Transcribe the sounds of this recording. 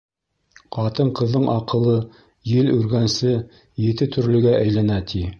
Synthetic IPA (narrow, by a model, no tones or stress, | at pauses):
qɑt̪ɤɴqɤ̆ðːɤɴʔɑqɤ̆lˠɤ | jɘlʉɾɡænsɘ | jɘ̆t̪ɘt̪ɵ̆ɾlɵ̆ɡæʔæjlænæt̪ʰi